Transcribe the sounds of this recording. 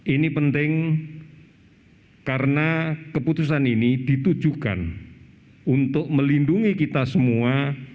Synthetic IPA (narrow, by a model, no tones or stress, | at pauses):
ʔinipənt̪ɪŋ | kaɾənakəput̪us̬aninid̪̥it̪u̥d͡ʒ̥uka̰n | unt̪ʊk̚məlinduŋikit̪asəmua